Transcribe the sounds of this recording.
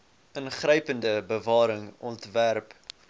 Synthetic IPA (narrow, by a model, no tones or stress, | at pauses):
ənχrəjpəndəbəvɑːɾəŋɔntværp